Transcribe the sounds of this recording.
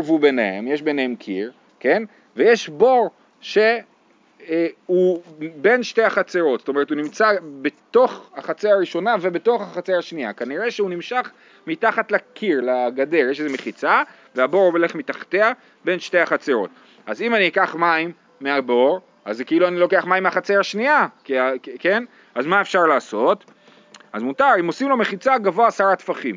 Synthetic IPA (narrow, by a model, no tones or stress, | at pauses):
vubenehemjeʃbenehemkʰḭʁ | ke̞n | veje̞ʃbo̞ʁ | ʃe̞ | ube̞nʃtejaχat͡seʁo̞t̪zo̥t̪oe̞ʁetunimt͡sabet̪o̞χaχat͡seaʁiʃo̞nave̞be̞to̞χaχat͡seaʃniakaniʁe̞ʃeunimʃaχ | mitaχatlakʰiʁlaɡade̞ʁjeʃezeme̞χit͡sa | veabo̞ʁubele̞χmitaχt̪ea | be̞nʃtejaχat͡seʁo̞̰t | azimaniekaχmaimː | eaboʁ | ʔazekeiluanilo̞keaχmaimeaχat͡sejaʃniakiake̞n | azmaefʃaʁlaːso̞t | azmutaʁimo̞simlo̞me̞χit͡saɡavo̞aːsaʁat̪faχim